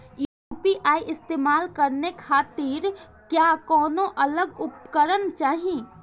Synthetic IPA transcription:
jupiʔaːiʔɪst̪eːmaːlkəɾnekʰaːt̪iɾ | kjakɔːnõʔɐləɡʊp̚kəɾənt͡ʃaːɦĩ

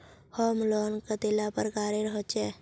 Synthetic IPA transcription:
hɔːmlɔːnkət̪elapəɾɡaːɾeɾəɦot͡ʃɛː

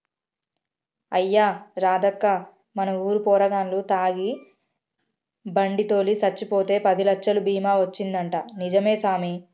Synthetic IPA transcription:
ɐjːaːɾaːd̪ɐkːa | mɐnɐuːɾupɔːɾɐɡaːnlut̪aːɡi | bɐɳɖit̪o̞ːlisɐt͡ʃːipoːt̪e̞ːpɐd̪ilɐkʂɐlubiːmaːʋɐt͡ʃːind̪ɐɳʈaːnid͡ʒɐme̞ːsaːmi

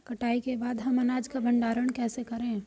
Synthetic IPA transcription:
kəʈaːikebaːd̪ɦəmɐnaːd͡ʒkabə̃ɳɖaːɾəɳ̃kɛːsekəɾẽ

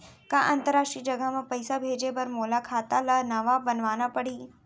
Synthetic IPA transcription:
kaʔɐ̃nt̪əɾːaːʃʈɾid͡ʒɐɡəɦmẽpɐɪsabʱeːd͡ʒebɐɾmoːlakʰaːt̪alanɐʋabɐnʋaːnapɐɽiː

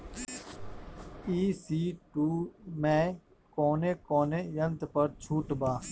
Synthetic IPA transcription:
iːsiːʈuːmeː | koːneːkoːneːjənt̪pəɾt͡ʃʰuːʈbaː

